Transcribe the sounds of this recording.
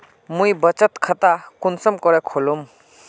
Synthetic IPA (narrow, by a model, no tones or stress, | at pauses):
mujbət͡ʃət̪kʰət̪akunsəmkɔɾɛkʰolum